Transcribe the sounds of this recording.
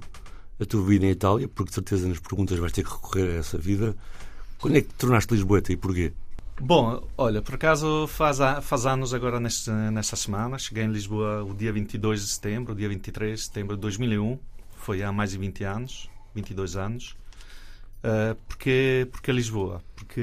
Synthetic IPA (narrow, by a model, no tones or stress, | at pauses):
ɐt̪uɐviðɐẽit̪alˠjɐpuɾksɨɾt̪ezɐnɐʃpɾɣũnt̪ɐʒvajʃt̪eɾkʁɨkuʁeɾɐɛsɐviðɐkwɐ̃nd̪wɛk̚t̪uɾnaʃt̪lˠiʒβoɛt̪ɐipuɾkebõɔʎɐpɔɾɐkazufazafazanuzɐɣɔɾɐnɛʃt̪nɛʃt̪ɐsɨmãnɐʃɨɣejẽlˠiʒβoɐuðiɐvĩnt̪iðojʒd̪ɨsɨ̥t̪ẽmbɾuðiɐvĩnt̪it̪ɾeʒðsɨ̥t̪ẽmbɾud̪ojʒmilˠiũfojamajzðɨ̃vĩnt̪anuʃvĩnt̪iðojzanʊʃ | ɛpuɾkepuɾkelˠiʒβoɐ̰puɾkʰɨ